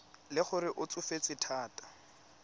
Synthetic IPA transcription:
lɪχʊɾɪʔʊt͡sʊfet͡sɪtʰaːtḁ

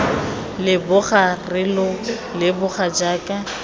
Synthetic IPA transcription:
lɪbʊχarɪlʊ | lɪbʊχad͡ʒaːkʼa

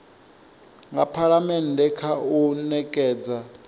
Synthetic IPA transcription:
ŋɡapʰaɺamɛndʱɛkʰaunɛkʼɛːd͡za

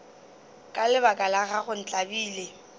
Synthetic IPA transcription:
kʼalɪbakʼalaɣaχʊn̩t͡ɬʼabiːle

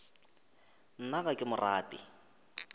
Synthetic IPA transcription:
n̩naɣakʼɪmʊraːtʼɪ̰

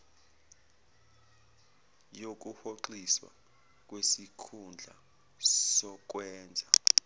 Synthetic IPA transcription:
jok̬uhoǃiswa̰ | k̬ʼwesikʰund͡ɮʱa̰ | sɔk̬wɛːnd͡zʱa

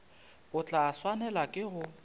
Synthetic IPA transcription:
ʊt͡ɬʼaːswanɛlakʼɪɣʊ

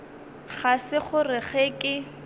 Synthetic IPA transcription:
χasɪχʊrɪχekʼɪ

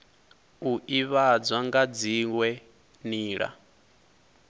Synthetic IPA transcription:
uʔiβad͡zwaŋɡad͡ziwɛ | niːɺa̰

